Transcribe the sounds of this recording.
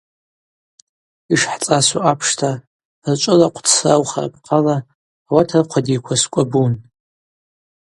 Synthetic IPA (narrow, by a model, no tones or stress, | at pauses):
iʂħt͡sʼasuapʰʂtʰa | rt͡ʃʷʼɨlaqʷʰtʰsawχara̰pʰʼqʼalaː | watʰarqʷʰadijkʷʰaskʷʼabun